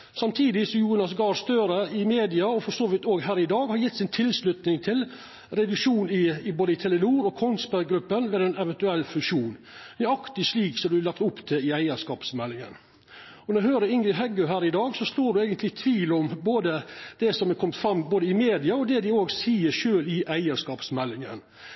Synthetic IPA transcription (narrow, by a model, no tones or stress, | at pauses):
sɑmt̪ʰiːd̪ɪsɔjuːnɑsɡɑːɾst̪œɾəɪmeːd̪ɪɑɔfɔsɔʋɪt̪oːɡɦæːɾɪd̪ɑːɡhɑɾjɪt̪ːsɪnt̪ʰɪlslʉt̪nɪŋt̪ʰɪl | ɾɛd̪ʉkʂuːnɪboːd̪əɪt̪ʰɛlənuːɾɔkʰɔnspæɾɡɾʉpːənʋɛːd̪ɛɪnɛʋɛnt̪ʉɛlːfʉʃuːn | d̪æɾɑkt̪ɪʂliːksɔmd̪ʉælɑkt̪ʊpːt̪ʰɪlɪæɪəʂkɑːpsmɛlːɪŋə̰n | ɔnɔɾæhøːɾəɾɪŋɡɾɪɦɛɡʉɦæːɾɪd̪ɑːɡsɔsloːɖʉɛːɡənt̪ʰlɪt̪ʰʋiːlɔmboːd̪əd̪̥ɛsɔmɛkʰɔmt̪fɾɑmːboːd̪əɪmeːd̪ɪɑɔd̪ɛd̪ɪoːɡsiːəɾʂøːlɪʔæɪəʂkɑːpsmɛlːɪŋə̰n